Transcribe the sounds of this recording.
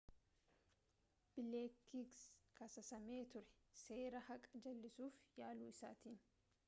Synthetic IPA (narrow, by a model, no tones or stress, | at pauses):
b̥ɪleːkːiɡskɐsɐsɐme̞ːt̪ʊɾɛ̥se̞ːɾɐhɐkʼɐd͡ʒɐlːɪsuːfjaːluːɪsaːt̪iːn